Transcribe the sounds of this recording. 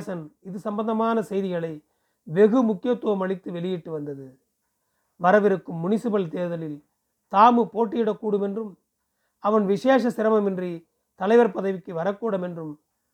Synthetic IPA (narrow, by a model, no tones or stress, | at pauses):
sɐnɪðɯsɐmbɐnd̪ɐmaːnɐsɛjðɪɣɐɭɐɪ | ʋɛɣɯmʊkːɪjɐt̪ːuʋɐmɐɭɪt̪ːɯʋɛɭɪjiʈːɯʋɐnd̪ɐðɯ | ʋɐɾɐʋɪɾɯkːɯmːʊnɪsɯbɐɭt̪eːðɐlɪl | t̪aːmɯpoːʈːɪjɪɽɐkːuːɽɯmɛndrɯm | ɐʋɐnʋɪʂeːʂɐsɪɾɐmɐmɪndri | t̪ɐlɐɪʋɐɾpɐðɐʋɪkːɯʋɐɾɐkːuːɽɐmɛndrɯm